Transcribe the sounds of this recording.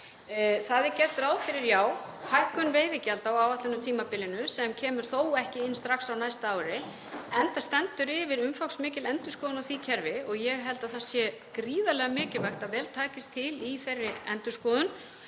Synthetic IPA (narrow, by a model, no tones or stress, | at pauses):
θaðɪɾcɛr̥t̪ɾaːwðfɪɾɪɾjaːwhajhkʏnveːjðɪcɛlt̪awaːwat̪ɪnʏt̪ʰiːmapɪlːɪnʏsɛmcʰɛːmʏɾ̥θoːwɛhcɪɪnːst̪ɾaxsawnajst̪aːwɾɪ | ɛnθast̪ɛnt̪ʏɾɪvɪɾʏmfawksmɪːcɪlɛnt̪ʏ̥skɔːðʏnaθiːcʰɛɾvɪɔɣjɛɣɦɛlt̪aðθḁsjɛ | kɾiːðalɛɣamɪːcɪvajxt̪avɛːlt̪ʰaːcɪst̪ʰɪliθerːɪɛnt̪ʏskɔːðʏn